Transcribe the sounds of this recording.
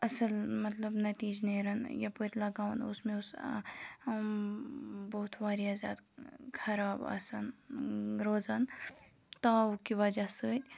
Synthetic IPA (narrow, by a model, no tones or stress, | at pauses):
ɐsɐlmɐt̪lɐbnɐt̪iːd͡ʒneːɾɐnjɐpuɾʲlɐɡaːwnʊ̰smẽʊs | boːt̪ʰʋaːɾiaːzʲa̰ːd̪kʰɐɾaːbɐ̰sɐn | ɾoːzan | t̪aːʊkiʋɐd͡ʒasəːt̪ʲ